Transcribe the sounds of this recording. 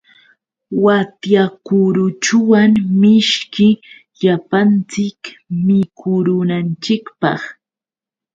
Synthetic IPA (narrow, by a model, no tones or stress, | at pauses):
wat̪jakʊɾʊt͡ʃʊwaŋmɪʃkɪ | ʎapant͡sɪkmɪkʰʊɾʊnant͡ʃɪkpɑ̰χ